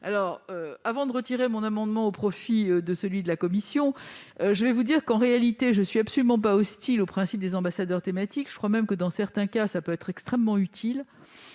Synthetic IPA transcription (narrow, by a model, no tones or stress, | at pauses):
a̰lɔːʁavɑ̃d̪əʁət̪iʁemɔ̃namɑ̃d̪mɑ̃opχɔfiød̪əsəlɥid̪əlakɔmisjɔ̃ | øʒəvɛvud̪iʁkɑ̃ʁealit̪eʒənsɥiabsɔlymɑ̃p̬aɔst̪ilopχɛ̃sip̚d̪ezɑ̃basad̪œʁt̪emat̪ikʒ̥ə̥kχwamɛmkəd̪ɑ̃sɛʁt̪ɛ̃kasapøɛt̪χɛkst̪χɛmːɑ̃yt̪ʰil